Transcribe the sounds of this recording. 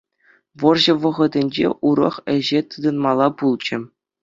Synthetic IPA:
ʋɤ̆rʑɤ̆ʋɤ̆ʁɤ̆d̪ʲɘ̆nʲd͡ʑḛʔuɾɤ̰̆χɘ̆ʑet̪ɯd̪ɤ̆nmɑlˠɑpulˠd͡ʑɘ̆

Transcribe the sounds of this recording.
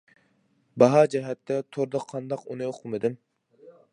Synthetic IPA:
bɑɦɑd͡ʒɛɦɛt̪ːɛt̪ʰoɾd̪ɑqʰːɑnd̪ɑqunɨoqʰʊmɨd̪ɪm

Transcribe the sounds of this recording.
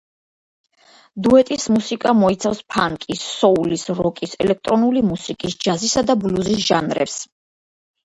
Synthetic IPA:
d̪uɛt̪ʼismusikʼamɔit̪sʰafspʰaŋkʼisːɔulisɾɔkʼisɛ̰lɛk̚ʰt̪ʼɾɔnulimusikʼisd͡ʒazisad̪abluzisʒ̥anɾɛ̰ps

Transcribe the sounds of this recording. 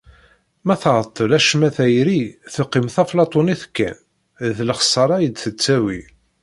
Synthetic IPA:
mæθʁət̪ˤːəlæʃmæθæjɾiθəqːimθæflɑt̪ˤoniθkːæ̰n | ðləχsˤɑɾˤɑjəd̪θət͡sːæwi

